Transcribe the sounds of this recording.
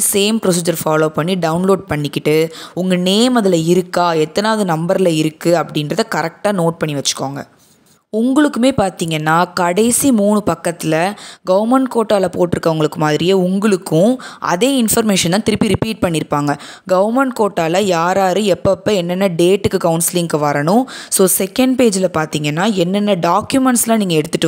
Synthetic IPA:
seːmpɾɔs̬iːd͡ʒɐɾfaːloːpɐɳːiɖɐʊnloːɖ̚pɐɳːɪkːɪʈːɯʊŋɡɐneːmɐðɯlɐɪɾɯkːaːɛt̪ːɐnaːɐðɯnɐmbɐɾlɐɪɾɯkːɯɐpːɐɽɪnɾɐðɯkɐɾɛk̚ʈaːnoːʈ̚pɐɳːiʋɐt͡ʃːɯ̥kːaːŋɡɐ̰ | ʊŋɡɐɭɯkːɯmeːpaːɾt̪iːŋɡɐnːaːkɐɽɐɪsimuːɳɯpɐkːɐt̪ːɪlɐɡɐʋɾmɛɳʈ̚koːʈːaːlɐpoːʈːɪɾɯkːɐʋɐŋɡɐɭɯkːɯmaːðɪɾɪjeʊŋɡɐɭɯkːʊ̃ʔɐ̰ðeːɪnfɐɾmeːʂɐnt̪ãːt̪ɪɾɯpːiɾɪpiːʈ̚pɐɳːɪɾɯpːaːŋɡɐ | ɡɐʋɐɾmɛɳʈ̚koːʈːaːlɐjaːɾaːɾɯɛpːɐpːɐːɛnːɛnːɐɖeːʈːɯkːɯkɐʊnsɪlɪŋkɯʋɐɾɐɳʊ̃soːsɛkːɐɳɖ̚peːd͡ʒɪlɐpaːɾt̪iːŋɡɐnːaːɛnːɛnːɐɖaːkjʊmɛɳʈslãːniːŋɡɐɛɽɯt̪ːɯʈːɯ

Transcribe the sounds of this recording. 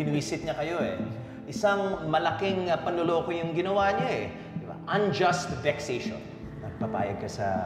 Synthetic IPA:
ɪnwiːsɪt̪̚ɲɐkɐjo̞ʔɛ̰ | ʔɪsaŋmɐlɐkiŋpɐnloloːkojʊŋɡɪnɐwaːɲaɛ | d̪ɪba̰ʔɐnd͡ʒɐst̪vɛkseʃo̰n | nɐɡ̚pɐpa̰ːjɐɡ̚kɐsɐ̰

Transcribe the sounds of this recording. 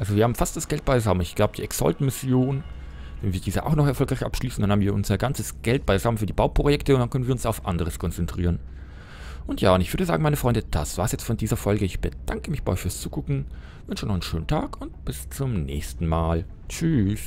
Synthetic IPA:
ʔalzoviːɐhaːbm̩fast̚d̥asɡ̥ɛlt̚b̥aɪzaʊmənɪçɡ̥laʊbəd̥iːɛksɔ̰ltmɪsjoːn | vɛnviːɐdiːzəʔa̰ʊxnɔχɛɐfɔlkʁaɪçʔa̰pʃliːsn̩danhaːbm̩viːɐʔʊnzɐɡant͡səsɡ̥ɛlt̚b̥aɪzaʊmənfyːɐdiːbaʊpʁ̥ojɛktəʊntd̥ankœnənviːɐʊnsaʊfʔa̰ndəʁəskʰɔnt͡sɛntʁ̥ḭːʁən | ʔʊntjaːʊntɪçvʏɐdəza̰ːɡŋ̩maɪnəfʁ̥ɔʏndəd̥asv̥aːɐsjɛt͡stfɔndiːzɐfɔlɡəɪçb̥əd̥aŋkəmɪçb̥a̰ɔfyːɐst͡suːɡ̥ʊkŋ̩ | vʏnʃənɔχnʃøːn̩tʰaːkʰʊntb̥ɪst͡sʊmnɛ̰ːçstn̩maːl | t͡ʃys

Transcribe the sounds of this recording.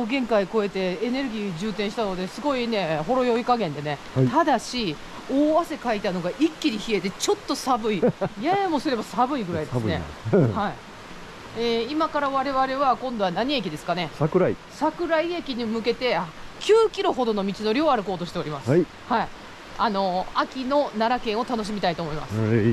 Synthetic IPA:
oɡẽ̞ŋkaiko̞e̞t̪e̞ːne̞ɾɯ̟ɡʲiːd͡ʑɨːt̪ẽ̞ɰ̃ɕi̥t̪ano̞d̪e̞sɨɡo̞ine̞ho̞ɾo̞jo̞ikaɡẽnd̪e̞ne̞ | t̪ad̪aɕi | oːβase̞kait̪ano̞ɡaʔikʲːiɾʲiçie̞t̪e̞t͡ɕo̞t̪ːo̞sabɯ̟ijamo̞sɨɾe̞basabɯ̟iɡɯ̟ɾaid̪esnḛhai | eimakaɾaβaɾe̞βaɾe̞βakõ̞nd̪o̞anaɲ̟ie̞kʲid̪e̞sɨ̥kane̞sakɯ̟ɾai | sakɯ̟ɾaiekʲiɲ̟imɯ̟ke̞t̪e̞kʲɨːkʲiɾo̞ɦo̞d̪o̞no̞mʲit͡ɕino̞ɾʲio̞aɾɯ̟ko̞ːt̪o̞ɕi̥t̪e̞o̞ɾʲimasɨ | hai | ano̞akʲino̞naɾakẽ̞ɰ̃o̞t̪ano̞ɕ̬imʲit̪ait̪oːmo̞ima̰s

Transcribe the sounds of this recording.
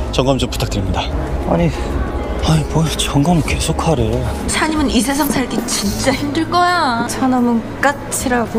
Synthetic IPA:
t͡ɕʌŋɡamt͡ɕomputʰak̚t͈ɯɾimɲidaa̰ɲi | aipot͡ɕʌŋɡʌmkesʰokʰaɾe̞jot͡ɕʰaɲimɯnis̬ʰe̞s̬ʰaŋsʰaɭɡit͡ɕint͡ɕ͈açimdɯɭk͈ʌjat͡ɕʰanamɯnk͈at͡ɕʰiɾaɡo

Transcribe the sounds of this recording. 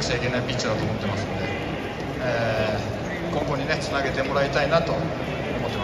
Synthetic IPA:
ɕaike̞naipʲit͡ɕad̪at̪oːmo̞t̪ːe̞masɨnod̪e̞ | eː | kõ̞ŋko̞ɲ̟ine̞t͡sɨnaɡe̞t̪e̞mo̞ɾait̪ainat̪o̞ː | mot̪ːe

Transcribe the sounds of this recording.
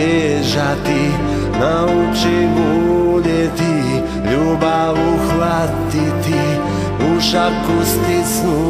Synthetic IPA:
ɛʒat̪i | naut͡ʃimudɛt̪i | ʎubauxʋa | t̪it̪i | uʃapkust̪isnu

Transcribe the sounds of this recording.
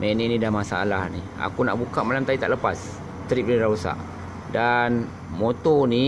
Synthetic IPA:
mɛninĩdamasaa̰lahni | a̰kunaʔbukaʔmalamt̪adit̪aʔləpas | t̪əɾip̚nidausa̰ʔ | dan | mot̪ɔni

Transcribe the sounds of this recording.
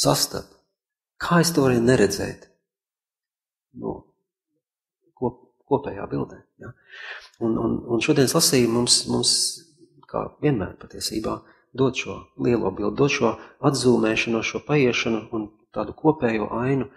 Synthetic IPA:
sast̪a̰p | kʰaːest̪uɔʋɾɛːnɛɾɛd̪zɛ̰ːjt̪ | nṵ | kuɔ | kuɔpɛːja̰ːbilˠd̪ɛːja | unṵnunʃuɔd̪iɛnslˠasiːjmumsmums | kʰa̰ːviɛnmæ̰ːɾpat̪iɛsḭːbaː | d̪uɔt̪ʃuɔlˠiɛlˠuɔbilˠd̪̚d̪uɔt̪ʃuɔad̪zuːmɛːʃanuɔʃuɔpajiɛʃanuːn | t̪aːd̪ukuɔpɛːjuɔːʔajnʊ

